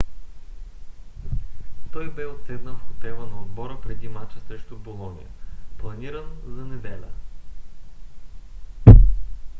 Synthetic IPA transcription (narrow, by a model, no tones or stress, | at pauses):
t̪ɔjbɛot̪sɛd̪nəfost̪ɾɛvənɐod̪bɔɾəpɾɛd̪imat͡ʃsɾɛʃt̪ʊbolˠɔnʲḭjə̰plˠɐniɾənzɐnɛd̪ɛlʲə̰